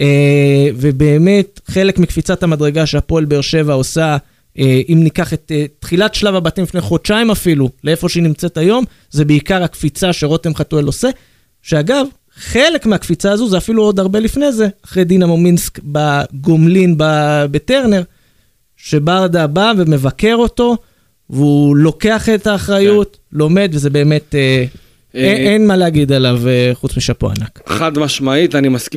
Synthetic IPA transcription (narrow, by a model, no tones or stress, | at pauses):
eve̞be̞ːme̞tχe̞lekmikfit͡sathamadʁeɡaʃeapo̞elbeːʁʃe̞vaosa | eʔimnikaχe̞t̪etχilatʃlavabatimlifnejχo̞t͡ʃaimafiluleefo̞ʃeinimt͡se̞tajo̞m | ze̞beikaʁakfit͡saʃeʁo̞temχatuelo̞se̞ | ʃe̞aɡav | χe̞le̞kmeakfit͡saːzuzeafiluo̞d̪aʁbe̞lifne̞ze̞aχʁejd̪inamominskbaɡomlinbabete̞ʁne̞ʁ | ʃe̞baʁd̪abaveme̞vake̞ʁo̞to̞ | veulo̞ke̞aχetaːχʁajut | lo̞me̞d̪vezebe̞ːme̞t̪e | eenmaleaɡid̪alaveχut͡smiʃapoa̰na̰kχad̪maʃmait̪animask